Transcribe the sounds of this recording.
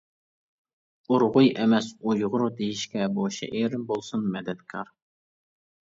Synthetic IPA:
uɾʁʊjɛmɛsujʁʊɾud̪ejiʃkʲɛboʃɛ̰ʔeɾɪmbolˠsunmɛd̪ɛt̪kʰɑɾ

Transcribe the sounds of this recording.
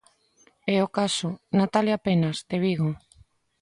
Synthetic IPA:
ɛokasʊnat̪aljapenast̪eβiɣo

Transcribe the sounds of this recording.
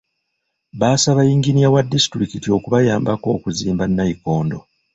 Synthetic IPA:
βaːsaβajiːŋɡiniawadːisi̥tuɾikitio̞kuβajaːmbako̞ːkuziːmbanːajiko̞ːndo̞

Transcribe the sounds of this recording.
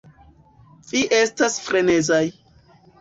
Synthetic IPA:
viʔe̞stasfɾe̞ne̞zaj

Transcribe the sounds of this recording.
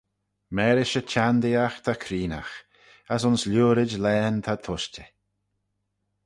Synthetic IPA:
mɛːɾɪʃət͡ʃʰand̪iaxt̪ʰakʰɾiːna̰x | asʊnslʲuːɾɪd͡ʒlɛːnt̪ʰat̪ʰʊʃtə

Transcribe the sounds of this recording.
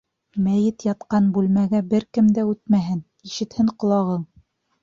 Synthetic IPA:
mæjɘt̪jɑt̪qɑnbʉlmæɡæbɘɾkɘmd̪æʉt̪̚mæɦɘn | iʃɘ̆t̪hɘɴqŏlˠɑʁɤɴ

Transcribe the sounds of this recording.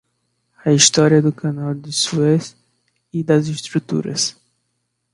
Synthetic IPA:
ɐist̪ɔɾiɐd̪ʊkɐnawd̪ɪsues | id̪ɐzist̪ɾut̪ṵɾɐ̰s

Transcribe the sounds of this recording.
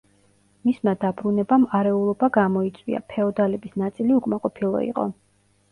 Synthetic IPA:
mismad̪abɾunɛbamaɾɛulˠɔbaɡamɔit̪sʼwḭa̰pʰɛɔd̪alɛbisnat̪sʼiliukʼmaqʼɔpʰilˠɔ̰ḭqʼɔ̰

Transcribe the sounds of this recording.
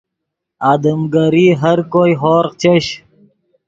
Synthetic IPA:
aːd̪əmɡɐɾiːɦɐɾkoːiɦoːɾqt͡ɕeɕ

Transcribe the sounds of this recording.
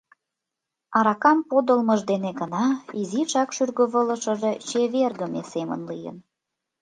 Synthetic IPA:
ɑɾɑkɑmpod̪əlməʒd̪eneɡənɑiziʃɑkʃyrɣə̆βələ̆ʃəʒet͡ɕeβerɣəmḛsemə̰nlijə̰n

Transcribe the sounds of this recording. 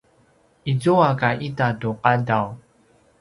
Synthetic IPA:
izuakaʔitatuqadaw

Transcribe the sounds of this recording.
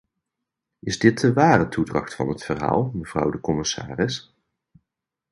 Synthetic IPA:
ʔɪzdɪt̚əʋaːrətudrɑ̰χtfɑ̰nɦətfərɦa̰ːlˠməv̥rʌ̰wdəkɔmɪsa̰ːrɪs

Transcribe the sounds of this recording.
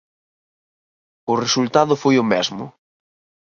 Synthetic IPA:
ʊresult̪aðʊfojʊmɛzmʊ̰

